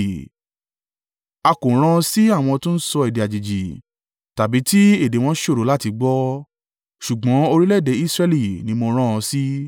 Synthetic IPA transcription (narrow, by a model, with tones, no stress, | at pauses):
a˧ko˨˦ɾ̃ã˦˧si˦a˦˨w̃ɔ̃˧tũ˦n̩˦sɔ˧e˨de˨a˨d͡ʒi˨d͡ʒi˨ | ta˨bi˨˦ti˦e˦˨de˨˦w̃ɔ̃˦ʃo˦˨ɾo˨˦la˦ti˧ɡ͡bɔ˦ | ʃu˨ɡ͡bɔ̃˨˦o˧ɾi˦lɛ˦˨de˨˦i˦sɾɛ˦˧li˨nĩ˨˧˦mo˧ɾ̃ã˦ɔ̃˧si˦